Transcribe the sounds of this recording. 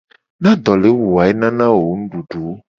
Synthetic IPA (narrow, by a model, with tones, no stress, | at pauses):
nã˦d̪ɔ˨le˨˦wu˨a˨e˦nã˦nã˦wo˨˦nũ˦ɖu˨ɖu˨˦